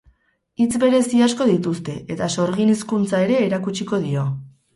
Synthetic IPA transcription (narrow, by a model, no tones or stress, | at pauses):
it͡sbe̞ɾe̞siasko̞ðit̪ust̪e̞ʔe̞t̪aso̞ɾɣiniskunt͡sae̞ɾe̞ːɾakut͡ʃiko̞ðio̞